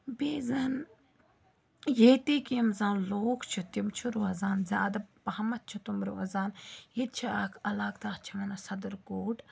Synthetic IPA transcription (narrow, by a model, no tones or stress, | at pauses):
beːzaːn | jeːt̪iːkimzãːloːkʰt͡ʃʰut̪imt͡ʃʰuɾoɐzaːnzʲaːd̪ɐbpɐhmɐt̪̚t͡ʃʰut̪umɾoɐzaːnjit̪̚t͡ʃʰiaːkʰɐlaːk̚t̪aːt͡ʃʰimɐnɐsɐd̪ɐɾɡoːʈ